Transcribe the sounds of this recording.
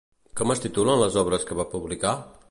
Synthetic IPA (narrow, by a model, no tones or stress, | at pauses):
kɔməst̪it̪ulənləzɔβɾəskəβapuβlika